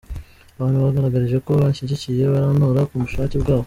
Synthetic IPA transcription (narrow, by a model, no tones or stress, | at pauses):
aβaːnhuβaɡaɾaɡaɾiʒe̞ko̞βaʃiɟicije̞βaɾaːnoːɾakumuʃaːcebɡaːβo